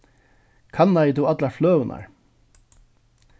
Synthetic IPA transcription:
kʰanːajət̪ʰuːat̪laɹflœːvəna̰ɹ

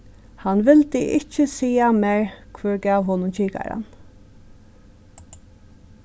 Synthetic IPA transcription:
hanʋɪlt̪ɪʔɪt͡ʃəsiːamɛɹkʰvɛɹɡaːʋhoːnʊnt͡ʃʰiːka̰ɾa̰n

